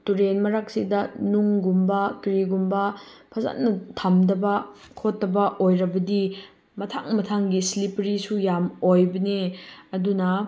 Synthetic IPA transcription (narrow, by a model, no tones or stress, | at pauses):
tuɾenmɐɾak̚sidɐnuŋɡumbɐkɾiɡumbɐpʰɐza̰tnɐtʰamdɐbɐ | kʰotːɐbɐʔojɾɐbɐdi | mɐtʰaŋmɐtʰaŋɡislipɾisujamojbɐneɐdunɐ